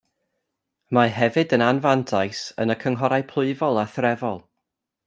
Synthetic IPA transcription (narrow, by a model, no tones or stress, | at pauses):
maɦɛvɨdənanvantʰajsə̰nəkʰəŋɦɔɾajpʰlˠʊɨvɔlˠaθrɛvɔlˠ